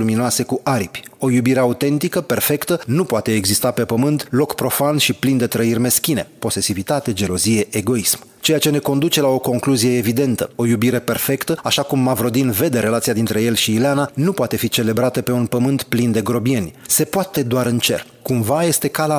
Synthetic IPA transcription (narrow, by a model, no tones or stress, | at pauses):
luminoase̞kuʔaɾipʲo̞jubiɾe̞aut̪e̞nt̪ikəpe̞rfe̞kt̪ənupoat̪e̞ːɡzist̪ape̞pəmɨnt̪lo̞kpɾo̞fanʃiplind̪e̞t̪ɾəirʲme̞skʲine̞̰po̞se̞sivit̪at̪e̞d͡ʒe̞lo̞zije̞ʔeɡo̞ism | t͡ʃe̞jat͡ʃe̞ne̞ko̞nd̪ut͡ʃe̞lao̞ko̞ŋkluzije̞evid̪e̞nt̪əo̞jubiɾe̞pe̞rfe̞kt̪əaʃakumːavɾo̞d̪inve̞d̪e̞ɾe̞lat̪sijad̪int̪ɾe̞je̞lʃiːleananupoat̪e̞fit͡ʃe̞le̞bɾat̪əpe̞unpəmɨnt̪plind̪e̞ɡɾo̞bie̞nʲse̞poat̪e̞d̪oaɾɨnt͡ʃe̞̰r | kumvaje̞st̪e̞kala